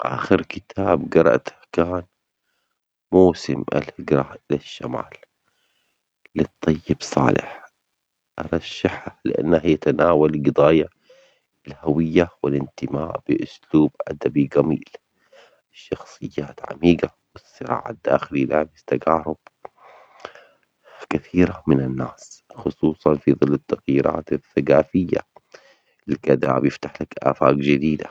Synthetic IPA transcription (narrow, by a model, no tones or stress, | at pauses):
ʔa̰ːxɪɾkɪt̪ʰaːbɡɑɾˤɑ̰ʔt̪hkaːn | moːsɪma̰lhɪɡɾˤaʔɪlaʃːama̰ːl | ɪt̪ˤːɑjːɪbsˤɑ̰ːlɪ̰ħ | ʔɑɾˤɑʃːaħalɪʔa̰nːahjat̪anaːwalɡɨd̪ɑːja | ɪlhawɪjːawɪlɪnt̪ɪmaːʔb̥ɪʔʊsluːbʔad̪abiɡamḭːl | ɪʃːɑxsˤɨjːaːt̪ʕa̰miːɡa | wɪsːɨɾa̰ːʕa̰d̪ːa̰ːxɪlilaːbɪst̪aɡaːɾˤʊb̥ | kaθiːɾamɪnanːaːsxʊsˤuːsˤɑnfiðˤɨlːɪt̪ːaɣjiːɾʔa̰ːt̪ɪθːaɡaːfɪjːa̰ | lkad̪a̰bjɪft̪aħlakʔa̰ːfa̰ːkd͡ʒɪd̪iːd̪a̰